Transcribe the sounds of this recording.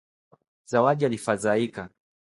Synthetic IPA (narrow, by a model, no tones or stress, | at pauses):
z̥awaʄialifazaika